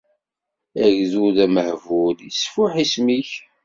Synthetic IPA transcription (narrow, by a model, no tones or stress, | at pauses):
æʝðuðæməhvʊləsfʊħismiç